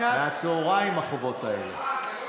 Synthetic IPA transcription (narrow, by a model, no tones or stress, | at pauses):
at͡soʁaimaχobo̞taḛlḛ